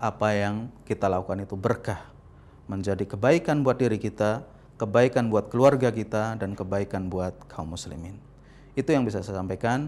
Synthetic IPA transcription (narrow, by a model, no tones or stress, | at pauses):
ʔapajaŋkit̪alakukanit̪ubərkah | məɲd͡ʒadikəbaikanbuat̪̚diɾikit̪a | kəbaikanbuat̪̚kəluarɡakit̪adankəbaikanbuat̪̚kʰaumːuslḭmɪn | it̪ujaŋbis̬asasampajkan